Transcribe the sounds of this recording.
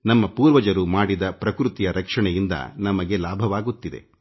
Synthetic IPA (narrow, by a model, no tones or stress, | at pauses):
nɐmːɐpuːɾʋɐd͡ʒɐɾumaːɽid̪ɐpɾɐkɾut̪ijɐɾɐkʂɐɳɛjind̪ɐ̰nɐmɐɡe̞laːbʱɐʋaːɡut̪ːid̪e̞̰